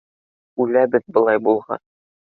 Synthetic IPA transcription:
ʉlæbɘðbɤ̆lˠɑjbulˠʁɑ̰n

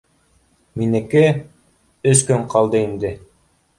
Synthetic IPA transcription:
minɘ̆kɘ | ɵskɵɴqʰɑlˠd̪ɤind̪ɘ

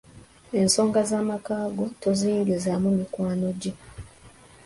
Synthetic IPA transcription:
e̞nso̞ːŋɡazaːmakaːɡo̞toziːŋɡizamumikwaːno̞ɟe

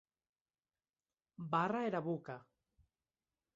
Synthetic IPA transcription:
baraeɾaβuka

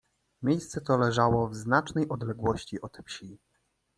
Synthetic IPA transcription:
mʲjejst̪sɛt̪ɔlɛʐawɔvznat͡ʂnɛjʔɔd̪lɛɡwɔɕt͡ɕiʔɔt̪fɕi

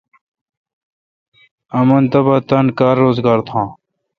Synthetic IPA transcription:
ɐmɐnt̪ɐbaːt̪ɐnkaːɾːoːzɡaːɾt̪ʰãː

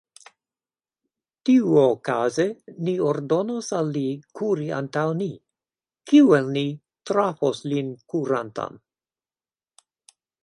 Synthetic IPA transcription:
tiuokaze̞nioɾdo̞nosalːikʰuɾia̰ntawni | kiuelni | tɾafoslinkuɾanta̰n

